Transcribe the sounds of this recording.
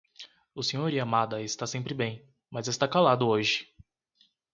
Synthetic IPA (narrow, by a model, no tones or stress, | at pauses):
ʊsẽɲoɾiamad̪ɐɪst̪asẽmpɾɪbẽj̃ | mɐzɪst̪akalad̪ʊoʒɪ̥